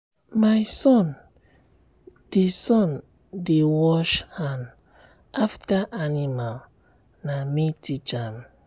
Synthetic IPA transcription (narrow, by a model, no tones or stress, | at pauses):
majsɔ̃n | d̥esɔ̃n | dewɔʃhãn | aftaʔanimal | namitit͡ʃam